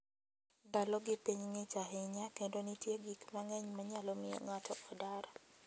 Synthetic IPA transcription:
dalɔɡɪpiɲŋɪt͡ʃaɦɪɲakendonitjeɡikmaŋɛɲmaɲalɔmɪjɔ̰ŋatʰɔʔɔdaɾa

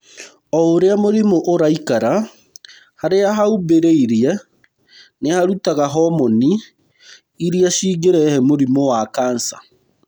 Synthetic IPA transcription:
ɔoɾeamoɾimoʔoɾaikaɾa | haɾeaɦaubeɾeiɾiɛ | nehaɾutaɣaɦɔmɔni | iɾiaʃiːɡeɾɛhɛmoɾimowakaːnsa

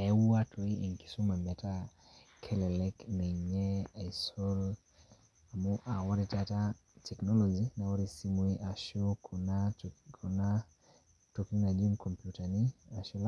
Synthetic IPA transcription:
ɛuatʰɔiiŋki̥sumɛmɛta | kʰɛlɛlɛknɛɲɛajsɔl | amuʔawaɾitatatʰɛknɔlɔd͡ʒinawɔɾisimwiʔaʃɔkʰunakʰuna | tɔkunad͡ʒinkʰɔmpjutaniaʃɔla

